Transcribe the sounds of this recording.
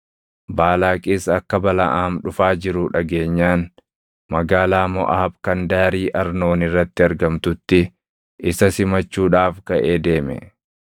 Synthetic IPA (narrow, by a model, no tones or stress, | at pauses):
baːlaːkʼiːsɐkːɐbɐlɐʔaːmᶑʊfaːd͡ʒɪɾʊᶑɐɡe̞ːɲːaːn | mɐɡaːlaːmɔ̰ʔaːɐbkɐnd̪aːɾiːʔɐɾno̞ːnɪrːɐt̪ːɪɐɾɡɐmt̪ʊt̪ːɪ | ʔɪsɐsɪmɐt͡ʃːuːᶑaːfkɐʔeːd̪e̞ːmɛ̰